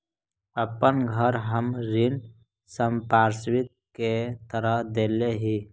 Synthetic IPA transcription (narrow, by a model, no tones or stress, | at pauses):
əpənɡʱəɾɦəmɾɪn | səmpaːɾswɪt̪̚ket̪əɾəɦd̪eːleɦiː